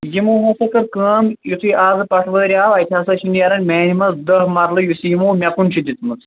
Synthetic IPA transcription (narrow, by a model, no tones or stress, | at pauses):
jimoːɦõsɐkɐɾkəːmjut̪ʰujʔaːzɨpɐʈʰʋɐɾʲjaːʋajt̪ʰʲasɐʃʰinijɐɾɐnmʲɛːnimɐzd̪ɐɦmɐɾlɨjusiːmoːmʲakunʲt͡ʃʰid̪ʲit̪ʰmɐt͡s